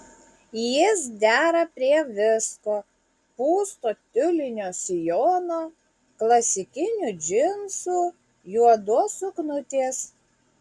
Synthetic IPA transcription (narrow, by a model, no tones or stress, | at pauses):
jɪs̬d̪ʲæːɾɐpʲɾʲiɛʋʲɪskoː | puːst̪oːt̪ʲʊlʲɪnʲoːsʲɪjoːnoː | klˠɐsʲɪkʲɪnʲud͡ʒʲɪnsuː | juɔd̪uɔsʊknʊt̪ʲeːs